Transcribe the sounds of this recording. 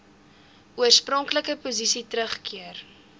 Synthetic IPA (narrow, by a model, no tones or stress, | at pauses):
uərsprɔŋkləkəpuzisitɾəχkiər